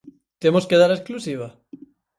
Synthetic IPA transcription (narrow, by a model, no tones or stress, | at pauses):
t̪emoskeðaɾesklusiβ̞a